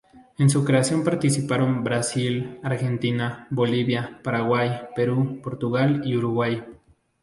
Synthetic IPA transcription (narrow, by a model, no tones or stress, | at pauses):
ens̬ukɾeasjompaɾt̪isipaɾombɾasilaɾxent̪inaboliβjapaɾaɣwajpeɾupoɾt̪uɣaliuɾuɣwaj